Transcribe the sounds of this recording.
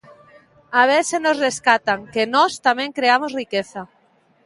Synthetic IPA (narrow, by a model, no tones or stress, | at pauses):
aβ̞esenozreskat̪aŋkenost̪amẽŋkɾeamozrikeθa